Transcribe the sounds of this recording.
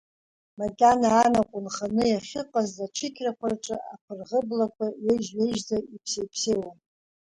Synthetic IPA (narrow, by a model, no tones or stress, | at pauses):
madanaːnaqʷʼʊnχanɨjaχʲɪqʼazat͡ʃʷʰɨkʲʰrakʷʰarʈ͡ʂʼɨʔapʰɨrʁəblakʷʰaɥeʒɥeʒzaipʰsejpʰsejwan